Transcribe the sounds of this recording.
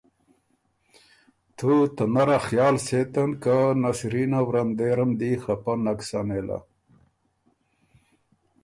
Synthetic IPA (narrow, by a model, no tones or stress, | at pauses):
t̪ʰut̪ɐnaɾaxjɑːlset̪ɐnkanasɾinawɾɐnd̪eɾɐmd̪ixɐpɐnɐksanela̰